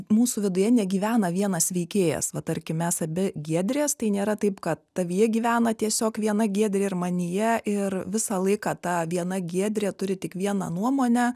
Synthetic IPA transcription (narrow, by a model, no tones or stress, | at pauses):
muːsʊʋʲɪd̪ʊjɛnʲɛɡʲiːʋʲæːnɐʋʲiɛnɐsʋʲɛɪkʲeːjɛ̰sʋɐt̪ɐɾʲkʲɪmʲɛsɐbʲɪɡʲiɛd̪ʲɾʲeːst̪ɐɪnʲeːɾɐt̪ɐɪpkɐt̪ːɐʋʲijɛɡʲiːʋʲæːnɐt̪ʲiɛsʲoːkʋʲiɛnɐɡʲiɛd̪ʲɾʲeːɪɾmɐnʲɪjɛʔɪrʋʲɪsɑlˠɐɪkɑːt̪ɐʋʲiɛnɐɡʲiɛd̪ʲɾʲeːt̪ʊɾʲɪt̪ʲɪkʋʲiɛnɐnuɔmoːnʲɛ